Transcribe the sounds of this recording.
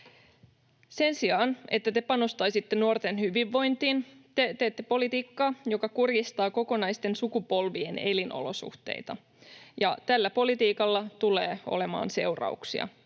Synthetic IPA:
se̞nsiɑːne̞t̪ːæt̪e̞pɑno̞st̪ɑjsit̪ːenuort̪e̞nhyʋiʋːo̞jnt̪iːnt̪et̪eːt̪ːe̞po̞lit̪iːkːɑjo̞kɑkurjist̪ɑːko̞ko̞nɑjst̪e̞nsukupo̞lʋie̞ne̞linʔo̞̰lo̞sṵht̪e̞̰ijt̪ɑ̰ | jɑt̪ælːæpo̞lit̪iːkɑlːɑt̪uleːo̰le̞mɑ̰ːnse̞wrɑ̰uksḭɑ̰

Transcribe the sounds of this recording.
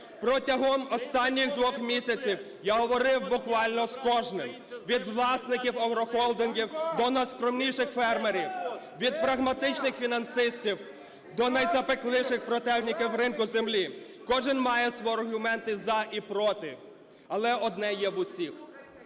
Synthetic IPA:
pɾɔtʲɐɦɔmɔst̪ɑnʲːiɣd̪ʋɔxmʲisʲɐt͡sʲiw | jaɦɔʋɔɾɪwbʊkʋɑlʲnɔskɔʒnɪm | ʋʲid̪ʋlˠɑsnɪkʲiwɔwɾɔxɔlˠd̪ɪnɡʲiwd̪ɔnɐjskɾɔmnʲijʃɪxfɛrmeɾʲiw | ʋʲid̪pɾɐɦmɐt̪ɪt͡ʃnɪxfʲinɐnsɪsʲtʲiw | d̪ɔnɐjzɐpeklˠɪʃɪxpɾɔt̪ɛwnʲikʲɪwɾɪnkʊzemlʲi | kɔʒɪnmɑjɛsʋɔɐrɦʊmɛnt̪ɪzɐʔipɾɔt̪ɪ | ɐlˠɛɔd̪nɛjɛʋʊsʲix

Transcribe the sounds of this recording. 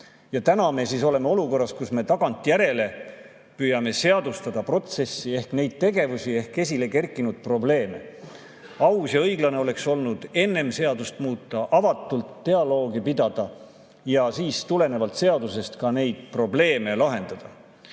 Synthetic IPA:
jɑt̪ænɑme̞siso̞le̞meo̞luko̞rːɑskusme̞t̪ɑɡ̥ɑnt̪ːˑjæɾe̞le̞ | pyːjɑme̞se̞ɑd̪ust̪ɑd̪̥ɑpro̞t̪se̞sːie̞hkne̞jd̪̥̚t̪e̞ɡe̞vusie̞hke̞s̬ʲile̞ke̞rkːˑinud̪̥̚pro̞ble̞ːme̞̰ | ɑwsjɑɤjɡlɑneo̞le̞kso̞lnud̪̥e̞nːe̞mse̞ɑd̪ust̪muːt̪ːˑɑʔɑvɑt̪ːˑult̪ːe̞ɑlo̞ːɡipid̪̥ɑd̪̥ɑ | jɑsiːst̪ule̞ne̞vɑlt̪se̞ɑd̪use̞st̪kɑne̞jd̪̥̚pro̞ble̞ːme̞lɑɦe̞nd̪̥ɑd̪̥ɑ

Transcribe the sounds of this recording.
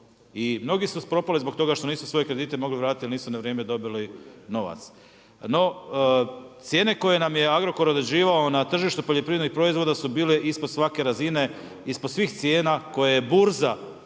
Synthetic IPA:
imno̞ɡisuspɾo̞palizbo̞kt̪o̞ɡaʃt̪oniːsu̥sʋo̞jekɾe̞d̪iːt̪emo̞ɡliʋɾaːt̪it̪jilniːsunaʋɾjeːme̞d̪o̞bilino̞ʋa̰t̪s | no̞ | t̪sjeːne̞ko̞je̞namje̞aɡɾo̞ko̞ɾod̪ɾed͡ʑiːʋao̞nat̪r̩ʒiʃt̪upoʎepɾiːjed̪ixpɾo̞izʋo̞d̪asubiːleʔispod̪̥sʋake̞ɾazine̞ | ispod̪sʋiːxt̪sje̞ːnako̞jejebuɾza

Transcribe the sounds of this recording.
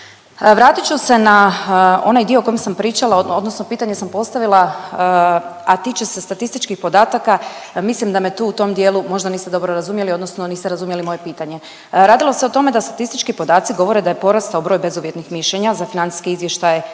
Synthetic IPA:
ʋɾaːt̪it͡ʃuse̞nao̞̰najd̪io̞ko̞jemsampɾiːt͡ʃalaood̪nosnopiːt̪aɲe̞sampo̞st̪aʋila | at̪it͡ʃe̞se̞st̪at̪ist̪it͡ʃkixpo̞d̪aːt̪akamislimd̪amet̪uːut̪o̞md̪jeːlumo̞ʒd̪anised̪o̞bɾoɾazumjeliod̪no̞snoniːst̪eɾazumjelimo̞je̞piːt̪aɲe̞ | ɾaːd̪ilo̞se̞ot̪o̞me̞d̪ast̪at̪ist̪it͡ʃkipo̞d̪aːt̪siɡo̞ʋo̞ɾed̪ajepo̞ɾast̪aubɾo̞jbe̞zuʋje̞t̪nixmiʃleɲazafinant̪i̥skiizʋje̞ʃt̪aje

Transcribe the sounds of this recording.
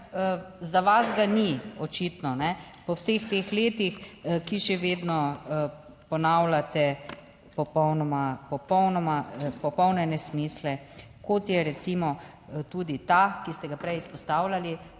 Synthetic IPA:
zaʋazɡaniɔt͡ʃit̪nɔnɛpɔwsext̪exleːt̪ixkiʃɛʋeːd̪nɔ | pɔnaːwlat̪ɛ | pɔpɔwnɔmapɔpɔwnɔmapɔpɔwnɛnɛsmislɛ | kot̪jɛɾɛsimɔ | t̪uːd̪it̪akist̪ɛɡapɾɛjispɔst̪aːwlʲali

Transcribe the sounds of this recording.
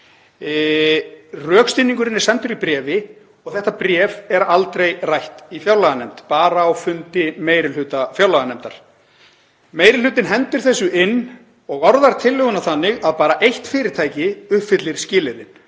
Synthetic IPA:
rœːkst̪inːiŋkʏɾɪnːɪ̥sɛnt̪ʏɾipɾɛːvɪ | ɔɣθɛht̪ːapɾjɛːvɛɾalt̪ɾejrajht̪ifjawlaɣanɛmt̪paːɾaːwfʏnt̪ɪmeːjɾɪlʏːt̪afjawlaɣanɛmt̪aɾ̥ | meːjɾɪlʏːt̪ɪnɦɛnt̪ʏɾ̥θɛsʏʔɪnː | ɔɣɔɾðaɾ̥t̪ʰɪlːʏːɣʏnaθanːɪɣaðpaːɾaʔejht̪fɪːɾɪɾ̥t̪ʰaːjcɪʏhpfɪt̪lɪɾ̥scɪːlɪɾɪn

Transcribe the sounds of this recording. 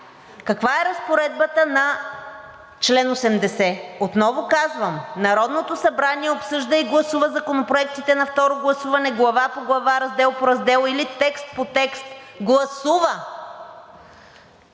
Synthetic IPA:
kɐkvaɛɾɐspoɾɛd̪̚bət̪ənɐ | t͡ʃlɛnosɛmd̪ɛsɛot̪nɔvokazvəmnɐɾɔd̪not̪osɐbɾaniɛopsɤʒd̪əiɡlˠɐsuvɐzɐkonopɾoɛk̚t̪it̪ɛnɐft̪ɔɾoɡlˠɐsuvɐnɛɡlˠɐvapoɡlˠɐvaɾɐzd̪ɛlˠpoɾɐzd̪ɛlˠilit̪ɛkst̪̚pot̪ɛkst̪ɡlˠɐsuvə

